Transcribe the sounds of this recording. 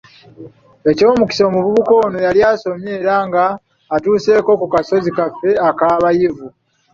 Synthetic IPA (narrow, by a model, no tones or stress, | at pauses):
e̞co̞ːmuki̥so̞muβuβuko̞ːnojaljaːso̞mje̞ːɾaːŋɡaː | tuːse̞ːko̞kukaso̞zikafːe̞akaːβajivu